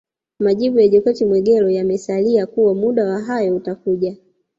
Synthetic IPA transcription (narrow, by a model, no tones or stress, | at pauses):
maʄiɓujaʄɔkɔtimwɛɡɛlɔjamɛsaliakuwamuɗawaɦajɔutakuʄa